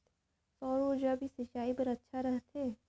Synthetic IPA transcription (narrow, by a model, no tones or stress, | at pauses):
sɔːɾod͡ʒabʱisɪt͡ʃaːipɐɾɐtːʃʰaɾɐɦt̪ʰeː